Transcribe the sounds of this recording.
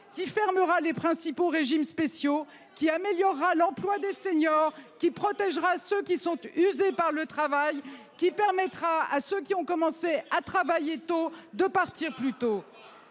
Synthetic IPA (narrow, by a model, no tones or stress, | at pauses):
kʲifɛʁməʁalepχɛ̃sipoʁeʒimspesjo | kʲiameljɔʁːalɑ̃plwad̪eseɲɔʁkʲipχɔt̪ɛʒʁasøkʲisɔ̃t̪yzepaʁlət̪χavaj | kʲipɛʁmɛt̪χaasøk̬ʲiɔ̃kɔmɑ̃seat̪χavajet̪od̪əpaʁt̪iʁplyt̪o